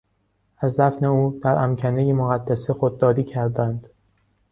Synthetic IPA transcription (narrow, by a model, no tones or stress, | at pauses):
ʔæzd̪æfne̞uːd̪̥æɾʔæmcʰænejemoɣæd̪ːæsexod̪ːɒːɾiːcʰæɾd̪ænd̪̥